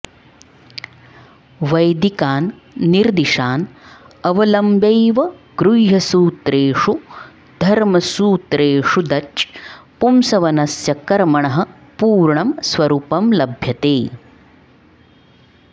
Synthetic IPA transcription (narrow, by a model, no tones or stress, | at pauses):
ʋɐjd̪ikaːnː | iɾd̪iʂaːn | ɐʋɐlɐmbejʋɐɡɾujɦɐsuːt̪ɾeːʂu | d̪ʱɐɾmɐsuːt̪ɾeːʂud̪ɐt͡ʃpumsɐʋɐnɐsjɐkɐɾmɐɳɐɦɐ | puːɾɳɐmsʋɐɾuːpɐmlɐbʱjɐt̪eː